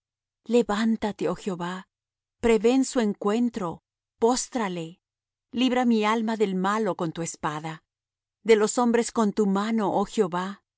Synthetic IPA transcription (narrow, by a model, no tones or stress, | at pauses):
le̞βant̪at̪e̞oxjo̞βa | pɾe̞βe̞nsue̞ŋkwe̞nt̪ɾo̞ | po̞st̪ɾale̞ | liβɾamialmaðe̞lmalo̞ko̞nt̪ue̞spaða | ðe̞lo̞so̞mbɾe̞sko̞nt̪umano̞ʔoxjo̞βa